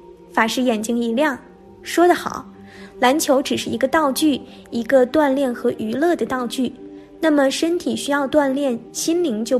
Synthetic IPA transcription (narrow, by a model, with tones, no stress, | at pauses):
fa˨˩ʂɻ̩˥˩jɛ˨˩nt͡ɕi˧˥ŋi˧˥ljɑ˥˩ŋ | ʂwɔ˥d̪ə˨xɑ̰˨˩˦ʊ | la˧˥nt͡ɕʰjo˧˥ʊʈ͡ʂɻ̩˨˩ʂɻ̩˥˩i˧˥ɡə˧t̪ɑ˥˧ʊt͡ɕy˥˩ | i˧˥ɡə˧t̪wa˥˧nljɛ˥˩nxɤ˧˥ʔy˧˥lɤ˥˩d̪ə˩t̪ɑ˥˧ʊt͡ɕy˥˩ | na˥˩mə˩ʂə˥nt̪ʰi˨˩ɕy˥jɑ˥˧ʊt̪wa˥˧nljɛ˥˩nɕi˥nli˧˥ŋt͡ɕjo˥˧ʊ